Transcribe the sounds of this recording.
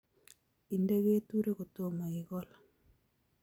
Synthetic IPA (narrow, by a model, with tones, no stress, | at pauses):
i˨nde˦ɣe˦tu˦ɾe˦ɣo˨to˦ma˨i˨ɣɔ˦la˨